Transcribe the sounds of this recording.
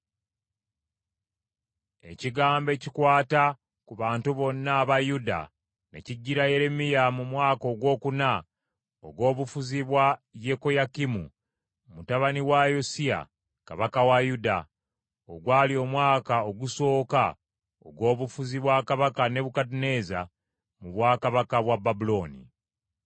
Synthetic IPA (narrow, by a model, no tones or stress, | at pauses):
e̞̰ciɡaːmbe̞ːcikwaːta | kuβaːntuβo̞nːaːβajuda̰ | ne̞̰ciɟːiɾaje̞ɾe̞mijamumwaːko̞ːɡwo̞ːkuna | oɡwo̞ːβufuziβwaje̞ko̞jakimṵ | mutaβaniwajosia̰ | ka̰βakawajuda | oɡwaːlio̞mwaːkao̞ɡuso̞ːka | o̰ɡwo̞ːβufuziβwakaβakane̞βukatine̞za | muβwaːkaβakaβwababulo̞ːnḭ